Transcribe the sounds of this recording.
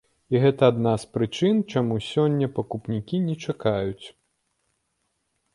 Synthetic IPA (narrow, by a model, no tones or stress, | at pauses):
iɣɛt̪ɐːd̪naspɾɨt͡ʂɨnt͡ʂamusʲɔnʲːɐpɐkupnʲikʲinʲɛt͡ʂakajut͡sʲ